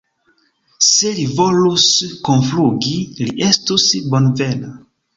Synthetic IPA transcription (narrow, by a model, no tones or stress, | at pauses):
selivo̞luskonfluɡiliʔe̞stusbo̞nve̞na